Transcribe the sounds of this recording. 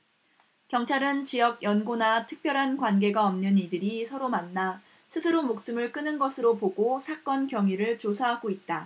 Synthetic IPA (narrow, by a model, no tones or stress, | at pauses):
kjʌŋt͡ɕʰaɾɯnt͡ɕijʌɡ̚jʌnɡonatʰɯ̥k̚p͈jʌɾɦankwanɡe̞ɡaʌmnɯnidɯɾisʰʌɾomanːa | sʰɯsʰɯɾomok̚s͈ɯmɯɭk͈ɯnɯnɡʌsʰɯɾopoɡosʰak͈ʌnkjʌŋiɾɯɭt͡ɕosʰaɦaɡoit̚t͈a